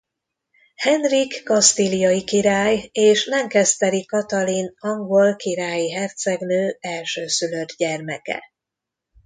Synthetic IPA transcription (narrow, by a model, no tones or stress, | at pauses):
hɛnrikːɒst̪ilijɒjikiɾaːjeːʃlɛŋkɛst̪ɛɾikɒt̪ɒlinɒŋɡolkiɾaːjiɦɛrt̪sɛɡnøːɛlʃøːsylø̞d̪ɟɛrmɛkɛ̰